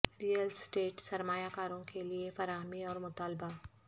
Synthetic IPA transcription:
ɾiːəlsʈeːʈsɐɾmaːjakaːɾõkeliefɐɾaːɦəmiɔːɾmʊt̪aːlba

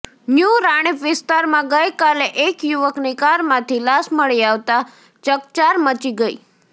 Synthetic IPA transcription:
njuɾaɽ̃ipʋɪst̪aɾmãɡəjkaleʔekjuʋəknikaɾmãt̪ʰilasməɭiaʋt̪a | t͡ʃəkt͡ʃaɾmət͡ʃiɡəḭ

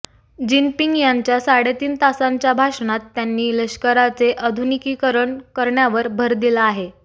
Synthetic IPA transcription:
d͡ʑinpiŋɡjaɲt͡ɕjasaɽet̪iːnt̪asaɲt͡ɕjabʱaʂnat̪ːjanːiːləɕkəɾat͡seʔəd̪ʱunikiːkəɾəɳkəɾɳjaʋəɾbʱəɾd̪ilaaɦe

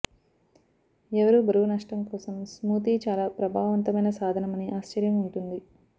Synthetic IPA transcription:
ɛʋɐɾubʱɐɾuunɐʂʈɐmkɔːsɐmsmuːt̪̬it͡ʃaːlaːpɾɐbʱaːʋɐʋɐnt̪ɐmɐjnɐsaːd̪ʱɐnɐmɐniʔaːʃt͡ʃɐɾjɐmuɳʈund̪i

